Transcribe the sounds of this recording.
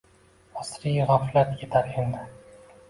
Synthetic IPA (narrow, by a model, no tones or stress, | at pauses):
ɒsɾijaʁaflat̪kʰʲet̪ʰaɾend̪ɪ